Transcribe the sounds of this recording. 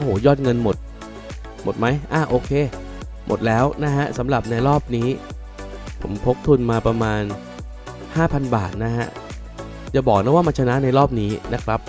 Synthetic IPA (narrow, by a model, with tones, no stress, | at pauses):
ʔo˧hoː˨˩˦jɔː˥˩t̪̚ŋɤ˧nmo˨˩t̪̚ | mo˨˩t̪̚ma˦˥jʔaː˧˩ʔoː˧kʰeː˧ | mʔo̰˨˩t̪̚lɛː˦˥wna˦˥ɦa˦˥ʔsa˩˦mɾa˨˩p̚na˧jɾɔː˥˩p̚niː˦˥ | pʰo̰˩˦mkʰo˦˥k̚t̪ʰu˧nmaː˧pɾa˧maː˧n | haː˥˩pʰa˧nba̰ː˨˩t̪̚na˦˥ha˦˥ʔ | t͡ɕa˨˩bɔː˨˩k̚na˦˥waː˥˩maː˧nt͡ɕʰa˧na˦˥ʔna˧jɾɔː˥˩p̚niː˦˥na˦˥kʰɾa˦˥p̚